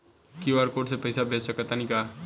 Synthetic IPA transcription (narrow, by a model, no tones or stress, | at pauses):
kiʋaːɾkoːʈsepɐɪsabʱeːt͡ʃsəkːɐt̪anĩkaː